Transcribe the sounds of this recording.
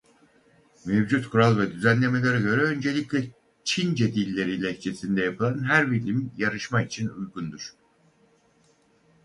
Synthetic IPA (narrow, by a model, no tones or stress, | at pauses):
mevd͡ʒut̪kʰuɾalˠvɛd̪yzænlʲe̞me̞lʲeɾɛɟø̞ɾɛø̞nd͡ʒe̞lʲicʲlʲɛ | t͡ʃʰind͡ʒed̪ilʲːeɾilʲɛct͡ʃʰesind̪ɛjapʰɯlˠanɦæɾbilʲimjaɾɯʃmait͡ʃʰinujɡund̪uɾ̥